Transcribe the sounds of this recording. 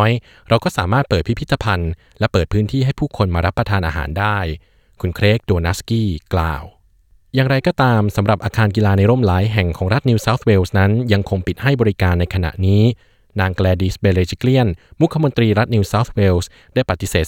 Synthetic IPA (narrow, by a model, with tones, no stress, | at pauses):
j | ɾa˧wkɔː˥˩saː˩˦maː˥˩t̪̚pɤː˨˩t̪̚pʰi˦˥pʰi˦˥t̪ʰːa˧pʰa˧n | lɛ˦˥pɤː˨˩t̪̚pʰɯː˦˥nt̪ʰiː˥˩ɦa˥˩jpʰuː˥˩kʰo˧nmaː˧ɾa˦˥pːɾa˧t̪ʰaː˧nʔaː˧ɦa̰ː˩˦ndaː˥˩j | kʰu˧nkʰɾeː˦˥k̚doː˧na˦˥skiː˥˩kla̰ː˨˩w | jaː˨˩ŋɾa˧jkɔː˥˩t̪aː˧msa˩˦mɾa˨˩p̚ʔaː˧kʰaː˧nkiː˧laː˧na˧jɾoː˥˩mlaː˩˦jɦɛ˨˩ŋkʰɔː˩˦ŋɾa˦˥t̪̚niː˧wsaː˦˥wt̪̚ʰweː˧˥wsna˦˥nja˧ŋkʰo˧ŋpi˨˩t̪̚ha˥˩jbɔː˧ɾi˦˥kaː˧nːa˧jkʰa˧na̰˨˩ʔniː˦˥ | naː˧ŋklɛː˧diː˦˥sbe˧ɾeː˧t͡ɕʰi˥kli˥˩ənmu˦˥kʰːa˧mo˧nt̪ɾiː˧ɾa˦˥t̪̚niː˧saː˦˥wt̪ʰweː˧˥ws | daː˥˩jpa˨˩t̪ːi˧˦seː˨˩t̪